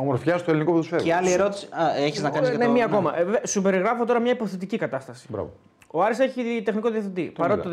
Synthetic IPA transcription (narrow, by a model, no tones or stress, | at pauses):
omo̞ɾfçɐst̪oe̞linikoput̪usfeɾeɐlieɾo̞t̪i̥si̥ɐeçiznɐkɐnznemiɐko̞mɐʔsube̞ɾiɣɾɐfo̞t̪o̞ɾɐmɲɐipo̞θe̞t̪̬icikɐt̪ɐst̪ɐsi̥bɾɐ̰vo | oɐɾiseçit̪e̞xniko̞ðiɐθit̪ipɐɾot̪it̪o